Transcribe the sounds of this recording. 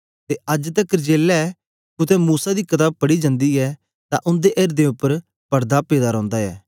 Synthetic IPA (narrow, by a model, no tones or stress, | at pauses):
t̪eɐd͡ʒt̪ɐkd͡ʒeːlɛ | kʊt̪ɛ̃muːsad̪ikɐt̪aːb̚pɐɽid͡ʒãnd̪iɛ | t̪ã̰ʔʊ̃nd̪eʔeːɾd̪ẽʊpːəɾ | pɐɾd̪apeːd̪aɾɔ̃ːnd̪aɛ̰ː